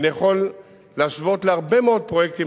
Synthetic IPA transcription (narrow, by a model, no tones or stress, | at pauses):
njeχo̞lː | aːʃvo̞t̪leaʁbe̞meo̞d̪̚pʁojek̚t̪im